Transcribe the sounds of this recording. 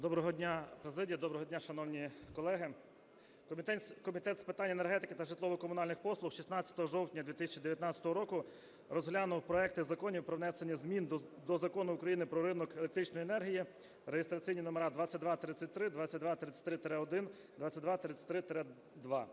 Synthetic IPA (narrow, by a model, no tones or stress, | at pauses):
d̪ɔbɾɔɦɔdʲnʲapɾezɪdʲijɐd̪ɔbɾɔɦɔdʲnʲaʃɐnɔwnʲikɔlˠɛɦɪ | kɔmʲit̪ɛnkɔmʲit̪ɛt̪spɪt̪anʲenerɦɛt̪ɪkɪt̪ɐʒɪt̪lˠɔʋɔkɔmʊnɑlʲnɪxpɔslˠʊxʃisnat͡sʲːɐ̥t̪ɔɦɔʒɔwtʲnʲɐd̪ʋʲit̪ɪsʲɐt͡ʃid̪eʋjɐt̪nat͡sʲɐ̥t̪ɔɦɔɾɔkʊ | rɔzɦlʲanʊwpɾɔɛk̚t̪ɪzɐkɔnʲiwpɾɔwnɛsenʲːɐzmʲind̪ɔzɐkɔnʊʊkɾɐjinɪpɾɔɾɪnɔkelˠek̚t̪ɾit͡ʃnɔjiɛnɛrɦʲiji | ɾejest̪ɾɐt͡sʲijnʲinɔmeɾad̪ʋat͡sʲːɐt̚ʲd̪ʋat̪ɾɪt͡sʲɐt̚ʲt̪ɾɪd̪ʋat͡sʲːɐt̚ʲd̪ʋat̪ɾɪt͡sʲːɐ̥t̪ɾɪt̪ɾɛɔd̪ɪn | d̪ʋat͡sʲːɐt̚ʲd̪ʋat̪ɾɪt͡sʲɐ̥tʲt̪ɾɪt̪eɾɛ | d̪ʋɑ